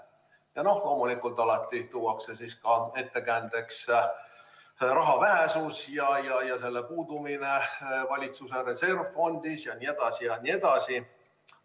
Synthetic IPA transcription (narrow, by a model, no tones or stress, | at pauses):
jɑno̞hlo̞ːmulikult̪ˑɑlɑt̪ːˑit̪uwɑkse̞siskɑe̞t̪ːe̞kænd̪̥e̞ks | rɑɦɑvæɦe̞susjɑjɑjɑse̞lːe̞puːd̪̥umine̞vɑlʲit̪suse̞ɾe̞se̞rvfo̞nd̪̥isjɑnie̞d̪̥ɑsijɑnie̞d̪̥ɑsi